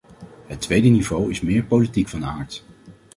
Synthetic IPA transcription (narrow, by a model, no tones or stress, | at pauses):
ɦətʋejdənivowɪsmɪːɹpowlitikfɑnaːɹt